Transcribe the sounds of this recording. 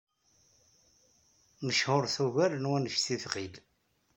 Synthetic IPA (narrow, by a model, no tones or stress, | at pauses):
məʃhʊɾθuʝælənwænəʃθiθʁil